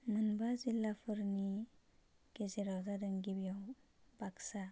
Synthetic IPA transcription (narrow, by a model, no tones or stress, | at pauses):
mənbazilːapʰɯɾni | ɡ̥ezeɾazadəŋɡibijaw | baksa